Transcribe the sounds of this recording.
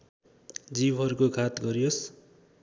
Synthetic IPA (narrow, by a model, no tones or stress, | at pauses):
d͡zibɦʌɾukokʰat̪ɡʌɾijos